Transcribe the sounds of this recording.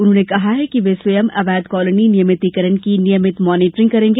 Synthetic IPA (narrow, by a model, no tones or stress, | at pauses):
ʊnɦõːnekɐɦaɦɛkiʋeːsʋɐjəmɐʋɛːd̪kɔːləninɪjəmɪt̪ikɐɾənkinijəmɪt̪mɔːniːʈɾɪ̃ŋɡkɐɾẽːŋɡe